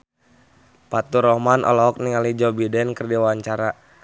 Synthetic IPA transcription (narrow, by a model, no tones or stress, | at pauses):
pat̪uɾɔmanʔɔ̰lɔɦɔk̚niŋalid͡ʒɔbidɛnkərdiwaɲt͡ʃaɾa